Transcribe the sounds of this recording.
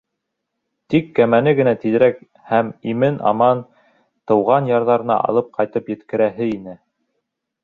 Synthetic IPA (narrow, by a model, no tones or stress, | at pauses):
t̪ikːæmænɘɡɘ̆næt̪iðɘ̆ɾæk̚ | hæmimɘnʔɑ̰mɑn | t̪ɤ̆wʁɑnjɑɾðɑɾɤ̆nɑ̰ʔɑ̰lˠɤp̚qʰɑjt̪ɤpjɘ̆t̪kɘ̆ɾæɦɘinɘ